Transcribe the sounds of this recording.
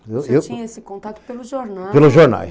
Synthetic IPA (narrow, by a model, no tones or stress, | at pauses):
ewewt̪iɲɐɐsĩkõnt̪at̪upelˠuʒɔɾnapelˠuʒoɾna̰j